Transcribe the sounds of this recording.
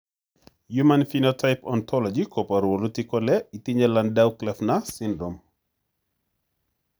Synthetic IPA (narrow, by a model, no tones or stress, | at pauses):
jumanfinɔtʰajpɔ̰nt̪ʰɔlɔd͡ʒikopaɾwolutikɔlɛitiɲalandawklɛfnasindɾom